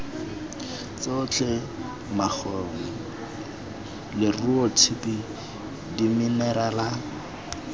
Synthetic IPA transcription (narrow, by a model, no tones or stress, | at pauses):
t͡sot͡ɬʰɛ | mak͡xʰɔŋ̩ | lɪruɔtʰipi | dimɪnɛɾala